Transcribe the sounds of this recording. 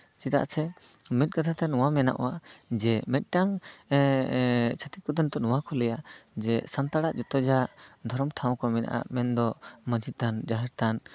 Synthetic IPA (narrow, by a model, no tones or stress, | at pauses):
t͡ʃit̪a̰ʔsɛ | mɛt̪̚kat̪ʰat̪ɛnuwamɛna̰ʔɔ̰wad͡ʒɛmɛt̪̚ˀʈaŋ | t͡ʃʰat̪it̪̚kɔd̪ɔnt̪ɔnuwakʰɔlɛjad͡ʒɛsant̪aɽaʔd͡ʒɔt̪ɔd͡ʒad̪ʱɔɾɔmt̪ʰaw̃kɔmɛna̰ʔa̰mɛnd̪ɔməd͡ʒit̪̚t̪and͡ʒaɦɛɾt̪an